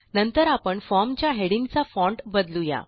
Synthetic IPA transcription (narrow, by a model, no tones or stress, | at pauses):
nənt̪əɾapəɳfɔmt͡ɕjaɦeɽiŋɡt͡safɔ̃ɳʈbəd̪luja̰